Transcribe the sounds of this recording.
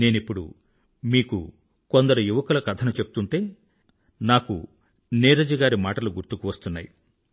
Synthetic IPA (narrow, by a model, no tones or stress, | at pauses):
ne̞ːnipːuɽṵ | miːkṵ | kond̪ɐɾujuʋɐkɐlɐkɐt̪ʰɐnɐt͡ʃe̞bu̥t̪uɳʈe̞ː | naːkṵ | neːɾɐd͡ʒɐɡaːɾimaːʈɐluɡuɾt̪ukuʋɐst̪unːaːji